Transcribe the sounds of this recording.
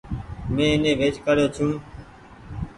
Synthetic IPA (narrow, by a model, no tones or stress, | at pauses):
mẽːnẽːʋeːt͡ʃkəɾjoːt͡ʃʰũː